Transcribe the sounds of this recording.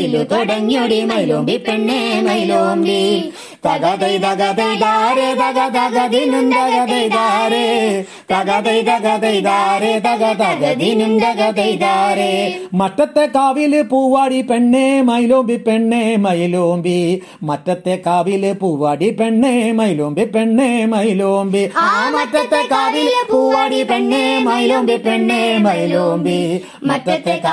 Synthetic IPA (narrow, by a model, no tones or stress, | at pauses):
ilut̪oɖɐɲːoɽimɐjloːmbipeɳːemɐjloːmbi | t̪ɐɡɐd̪ɐjd̪ɐɡɐd̪ɐjd̪aːɾet̪ɐɡɐd̪ɐɡɐd̪inumd̪ɐɡɐd̪ɐjd̪aːɾe | t̪ɐɡɐd̪ɐjd̪ɐɡɐd̪ɐjd̪aːɾet̪ɐɡɐt̪ɐɡɐd̪inumd̪ɐɡɐd̪ɐjd̪aːɾemɐʈːɐt̪ːekaːʋilɯpuːʋaːɽipɛɳːemɐjloːmbipɛɳːemɐjloːmbi | mɐʈːɐt̪ːekaːʋilɨpuːʋaːɽipɛɳːemɐjloːmbipɛɳːemɐjloːmbiamɐʈːɐt̪ːekaːʋilpuːʋaːɽipɛɳːemɐjloːmbipɛɳːemɐjloːmbi | mɐʈːɐt̪ːe